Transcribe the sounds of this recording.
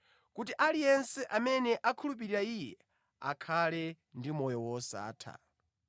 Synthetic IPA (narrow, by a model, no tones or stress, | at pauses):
kutiʔalijɛnsɛʔamɛnɛʔakʰulup̬iɾiɾaijɛ | a̰kʰalɛ | ndimɔjɔwɔsa̰ːtʰa̰